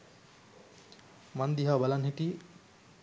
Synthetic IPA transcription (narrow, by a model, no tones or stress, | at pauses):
mɐnd̪iɦabɐlanɦiʈi